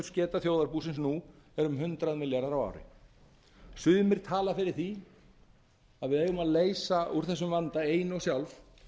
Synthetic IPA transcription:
ʏɾ̥scɛːt̪aθjowðaɾpuːsɪnsnuɛɾʏmɦʏnt̪ɾaðmɪljaɾðaɾawa̰ːwɾɪ̰ | sʏðmɪɾ̥t̪ʰaːlafɪɾɪɾ̥θi | aðvɪðeːjɣʏmaðleːjsauɾ̥θɛsːʏmvant̪aeːjnɔɣsjawlf

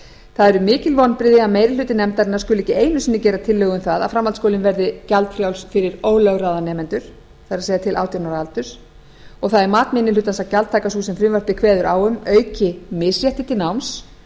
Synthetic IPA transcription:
θaðɛɾʏmɪːcɪlvɔnpɾɪːðɪaðmeːjɾɪlʏːt̪ɪnɛmt̪aɾɪnḁskʏlʏɛcɪeːjnʏsɪnːɪcɛːɾat̪ʰɪlːœːɣʏmθaða̰ðfɾamːalt̪skowlɪnvɛɾðɪcalt̪fɾjawlsfɪɾɪɾoːwlœɣraðanɛːmɛnt̪ʏɾ̥ | θaðɾseːjðat̪ʰɪla̰ːwt̪jawnaɾalt̪ʏɾ̥ | ɔɣθaðɛɾmaːt̪mɪnːɪlʏːt̪ansacalt̪ʰːaːkasuːsɛmfɾɪvaɾpɪkʰvɛːðʏɾawʏmœːɥcɪmɪsjɛht̪ɪt̪ʰɪnawms

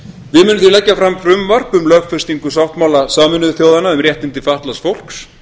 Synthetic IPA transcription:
vɪðmʏːnʏmθilɛcːafɾamfɾʏmvar̥pʏmlœːɣfɛrst̪iŋkʏsawht̪mawlasaːmɪnʏðʏθjowðanːaʏmɾrjɛht̪ɪnt̪ɪfaht̪lasfowl̥ks

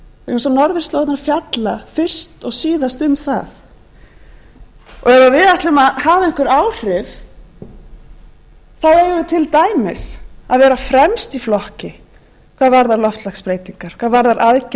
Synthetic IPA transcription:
s̬anɔɾðʏɾ̥st̪lowtnaɾfjat̪lafɪr̥st̪ɔɣsiːðast̪ʏmθa̰θ | ɔɣɛvavɪðaht̪lɪʏmaðhaːvaɪŋ̥kvʏɾaːwr̥ɪv | θawɛjʏʏt̪ʰɪlt̪aːjmɪsaðvɛːɾafɾɛmst̪iflɔhcɪ | kʰv̥aːðvaɾðaɾlɔft̪laxspɾeːjt̪iŋkaɾ̥kʰvaːðvaɾðaɾʔaðc

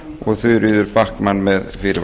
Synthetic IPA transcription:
ʔɔθʉːɾyːðəɾbakːmanmeːðfiːɾv

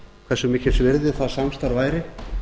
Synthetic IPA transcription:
kvɛ̥sʏmɪːcɪ̥svɪɾðɪθaðsamst̪aɾvaːjɾɪ

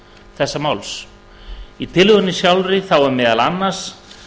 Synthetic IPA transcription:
θɛsːamawls | it̪ʰɪlʏɣʏnːɪsjawlɾɪθawɛmɛːðalanːaɾ̥s

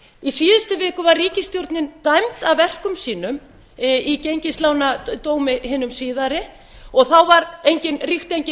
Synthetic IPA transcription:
isiːðɪst̪ʏvɪːkʏvarːiːcɪst̪jowɾt̪nɪnt̪ajmt̪aðvɛr̥kʏmsiːnʏm | icejɲcɪslaːwnat̪oːwmɪɦɪːnʏmsiːðaɾɪ | ɔɣθawvaɾejɲcɪnrixt̪ejɲcɪ

